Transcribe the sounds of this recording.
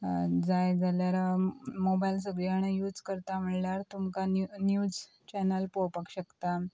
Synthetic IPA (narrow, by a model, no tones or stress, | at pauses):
d͡zajd͡zaljaɾamobajls̬əɡɭiaɽ̃ejuːd͡zkəɾt̪am̤əɽlaɾt̪umkannjud͡z | t͡ɕɛnəlpopakɕəkt̪a